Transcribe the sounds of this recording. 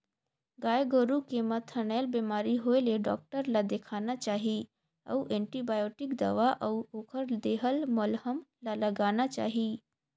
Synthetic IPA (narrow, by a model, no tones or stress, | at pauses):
ɡaːjɡoɾukemət̪ʰːənelbeːmaːɾiɦojleɖɔ̰ːk̚ʈəɾlad̪ekʰaːnat͡ʃaːɦi | ə̰wʔɛ̃ːɳʈibaːjoːʈɪkd̪ə̰ʋaʔəuoːkʰəɾd̪eːɦəlmolɦəmlaləɡaːnat͡ʃa̰ːɦi